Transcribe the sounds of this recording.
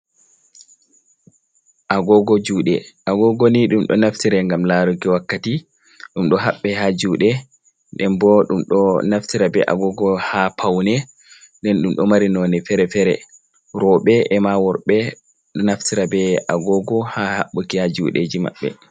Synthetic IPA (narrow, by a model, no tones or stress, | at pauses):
ʔaɡɔɡɔd͡ʒuːɗɛʔaɡɔɡɔniɗumɗɔ̰naftiɾɛŋɡamlaɾukiwakːati | ɗumɗɔɦaɓːɛhad͡ʒuːɗɛ | ɗɛmbɔɗumɗɔnaftiɾabɛʔa̰ɡɔɡɔhapʰawnɛ | ndɛnɗumɗɔmaɾinɔnɛfɛɾɛfɛɾɛ̰ | ɾɔɓɛʔɛmawɔɾɓɛ | ɗɔnaftiɾabɛʔaɡɔɡɔhahaɓːukihad͡ʒṵɗḛd͡ʒima̰ɓːɛ̰